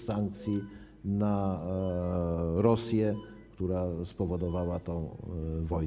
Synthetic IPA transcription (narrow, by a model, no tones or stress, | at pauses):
saŋk̚t̪sʲji | na | ɾɔsʲjɛkt̪uɾaspɔvɔd̪ɔvawat̪ɔ̃w̃vɔj